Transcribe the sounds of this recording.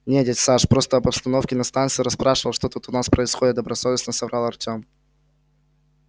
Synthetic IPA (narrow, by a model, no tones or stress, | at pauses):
nʲedʲetʲsaʂpɾo̞st̪əɐbɐpst̪ɐno̞fkʲɪnɐst̪ant̪sɨɪɾɐspɾaʂɨvəlˠʂt̪ot̪ut̪ʊnaspɾəɪsxo̞dʲɪt̪̚d̪əbɾɐsovʲɪsnəsɐvɾalˠɐrtʲom